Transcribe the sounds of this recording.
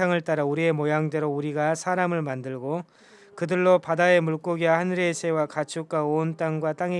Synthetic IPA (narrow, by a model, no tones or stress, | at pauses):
aŋɯɭt͈aɾauɾie̞mojaŋde̞ɾouɾiɡasʰaɾamɯɭmandɯɭɡo | kɯdɯɭːopadae̞muɭk͈oɡiahanɯɾesʰe̞wakat͡ɕʰuk͈̚aont͈aŋɡwat͈aŋe